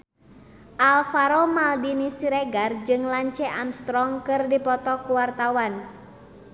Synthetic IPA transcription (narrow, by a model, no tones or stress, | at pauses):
ʔalfaɾɔmaldinisiɾɛɡard͡ʒɨŋlaɲt͡ʃɛʔamst̪ɾɔŋkɨrdipɔt̪ɔkuwart̪awan